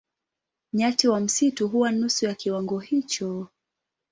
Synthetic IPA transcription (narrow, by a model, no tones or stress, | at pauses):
ɲatiwam̩situɦuwanusujakiwaŋɡɔhit͡ʃɔ